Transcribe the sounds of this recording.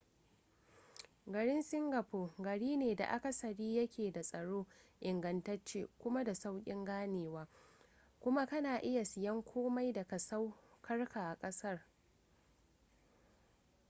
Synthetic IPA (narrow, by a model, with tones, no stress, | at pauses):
ɡɐ˨ɽɪ˦nsɪ˦ŋɡɐ˨poː˨ɡɐ˨ɽiː˦neː˨da̰˨ʔa˦kɐ˨sɐ˨ɽiː˦jɐ˦kʲʰeː˨da˨sʼɐ˨ɽoː˦ʔɪ˨ŋɡɐ˨ntɐ˦t͡ʃḛː˦˨kʷʊ˦ma˦da˨sa˦wkʲʼɪ˦ŋɡaː˦neː˨waː˦ | kʷʊ˦ma˦kɐ˦naː˨ʔɪ˦ja˨sɪ˨jɐ˦ŋkʷʰoː˦ma˦jda˨ka˨sa˦wkʰɐ˦rkʰa˨ʔa˨kʼɐ˦sɐ˦r